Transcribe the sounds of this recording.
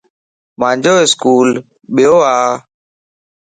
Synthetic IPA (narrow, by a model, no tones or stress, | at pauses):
maɲd͡ʒoeskul | ɓeoa